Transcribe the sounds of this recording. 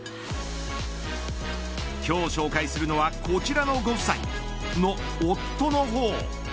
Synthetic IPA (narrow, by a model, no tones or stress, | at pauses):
kʲo̞ːɕo̞ːkaisɨɾɯ̟no̞βakʰo̞t͡ɕiɾano̞ɡo̞̥saḭ | no̞ː | t̪ːo̞no̞ɦoː